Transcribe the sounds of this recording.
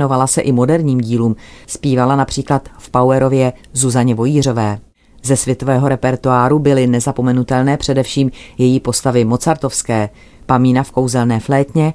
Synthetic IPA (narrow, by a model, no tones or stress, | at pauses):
no̞valasɛʔɪmo̞dɛɾɲiːmɟiːluːmspiːvalanapr̥iːklat̪fpawɛɾo̞vjɛzuzaɲɛvo̞jiːr̝o̞vɛː | zɛsvjɛt̪o̞vɛːɦo̞ɾɛpɛɾt̪uaːɾubɪlɪnɛzapo̞mɛnut̪ɛlnɛːpr̝̥ɛdɛfʃiːmjɛjiːpo̞st̪avɪmo̞t͡saɾt̪o̞fskɛː | pamiːnafko̞wzɛlnɛːflɛːt̪ɲɛ